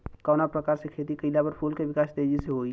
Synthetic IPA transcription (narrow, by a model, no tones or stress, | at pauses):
kɔːnapɾəkaːɾsekʰet̪ikəɪlabəɾpʰulkebɪkaːsd̪ed͡ʒiseɦoi